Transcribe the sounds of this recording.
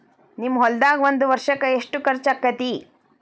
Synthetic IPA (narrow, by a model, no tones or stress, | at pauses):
nimːɐɦɔld̪aːɡʋond̪uʋɐɾʂɐkɐeʂʈukɐɾt͡ʃɐkːɐt̪i